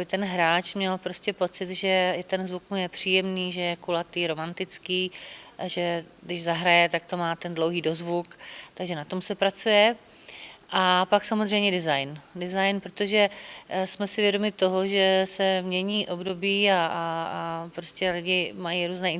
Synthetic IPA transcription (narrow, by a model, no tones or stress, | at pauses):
bɪt̪ɛnɦɾaːt͡ʃmɲɛlpɾoscʲɛpo̞t͡sɪd̪ʒɛt̪ɛnzvuk̚mujɛpr̝̥iːjɛmniːʒɛjɛkulat̪iːɾo̞mant̪ɪt͡skiːʔaʒɛdɪʒzaɦɾajɛt̪akt̪o̞maːt̪ɛndlowɦiːdo̞zvukt̪aɡʒɛnat̪o̞msɛpɾat͡sujɛ | ʔapaksamozrɛjmɲɛdɪzajndɪzajnpɾot̪o̞ʒɛsmɛsɪvjɛdo̞mɪt̪o̞ɦoʒɛsɛmɲɛɲiːʔo̞bdo̞biːa | pɾoscɛlɪɟɪmajiɾuːznɛːɪn